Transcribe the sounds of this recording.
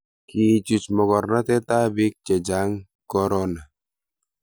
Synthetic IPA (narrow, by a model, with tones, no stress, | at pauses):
ki˨t͡ʃu˨t͡ʃmɔ˨kɔ˨ɾna˦tɛ˦ta˦bi˦k̚t͡ʃɛ˨d͡ʒa˦ŋ | kɔ˦ɾɔ˦na˨